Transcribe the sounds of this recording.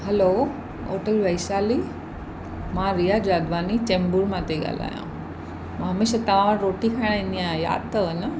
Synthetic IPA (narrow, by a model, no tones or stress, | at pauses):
hɐlo | o̰ːʈəlʋɐɪsaːli | mãɾijad͡ʑɾaːd̪ʋaːnit͡ɕẽːmbuɾmãt̪ʰeɠa̰ːl̤a̰ːjã̰ | m̃ɦɐmeːʃat̪ɐʋ̤ãɾoːʈikʰaːɪɽ̃ɪ̃niãja̰ːd̪̚t̪ɐənə